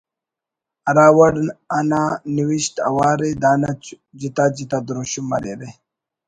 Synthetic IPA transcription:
ɐɾaːwɐɽananiwiɕt̪ɐ̰waːɾed̪aːna | d͡ʑit̪ad͡ʑit̪ad̪ɾuɕumɐ̰ɾeɾe

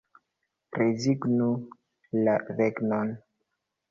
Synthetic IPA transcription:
ɾeziɡnu | lareɡnon

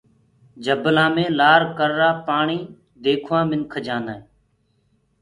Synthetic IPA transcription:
d͡ʒəblãːmẽːlaːɾkəɾːaːpaːɳiː | d̪eːkʰʋãːmɪnkʰəd͡ʒãːnaːeː

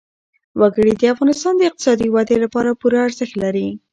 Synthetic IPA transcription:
waɡəɽid̪əafɣɑnɪst̪ɑnd̪əɪq̚t̪ɪ̥sɑd̪iwad̪elapɑɾapuɾaːɾzəxt̪laɾi

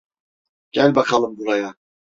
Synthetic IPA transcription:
ɟ̥ælʲbakʰalˠɯmbuɾaja

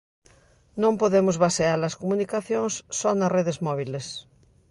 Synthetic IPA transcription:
nõmpoðemʊzβasealɐskomunikaθjõŋsːɔnɐreðezmɔβ̞iles

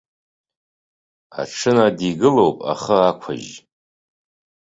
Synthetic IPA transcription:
a̰ʈ͡ʂʰɨnadiɡɨlowpʼa̰χəakʷʰa̰ʒ

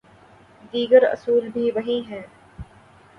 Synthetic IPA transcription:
d̪iːɡəɾɐ̰suːlbʱiːʋɐɦĩːɦɛ̃ː

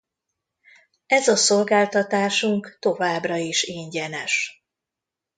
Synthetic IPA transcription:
ɛzɒso̞lɡaːlt̪ɒt̪aːʃuŋkt̪o̞vaːbrɒiʃeːɲɟɛnɛʃ

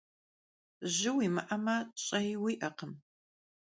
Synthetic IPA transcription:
ʑɪwiːmɨʔɐmaːɕʼɐjwiːʔɐqəm

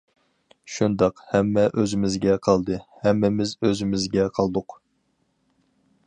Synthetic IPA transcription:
ʃund̪ɑqhɛmːɛʔøzɪmɪzɡʲɛqʰɑlˠd̪ɨhɛmːɪmɪzøzɪmɪzɡʲɛqʰɑlˠd̪ʊq

